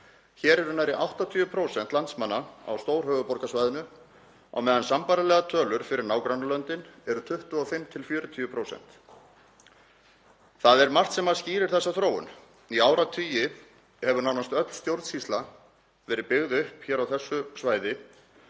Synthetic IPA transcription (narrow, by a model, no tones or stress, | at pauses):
çɛːɾɛɾʏnajɾɪʔawht̪at̪ʰyːʏpʰɾowsɛnt̪lant̪smanːaa̰wst̪oːwɾ̥ɦœːɣʏpɔɾkasvajðɪnʏ | a̰wmɛːðansampaɾalɛːɣat̪ʰœːlʏɾ̥fɪɾɪɾnaːwkɾanːalœnt̪ɪnɛɾʏt̪ʰʏht̪ʏɔfɪmt̪ʰɪlfjœːɾʏt̪ʰyːʏpʰɾowsɛ̰n̥t̪ | θaðɛɾmar̥t̪sɛmaðsciːɾɪɾ̥θɛsːaθɾoːwʏ̰n | iaːwɾat̪ʰyːjɪ | hɛvʏɾnaːwnast̪œt̪l̥st̪jowɾt̪shist̪la | vɛːɾɪpɪɣðʏhpçɛːɾawθɛsːʏsvaːjðɪ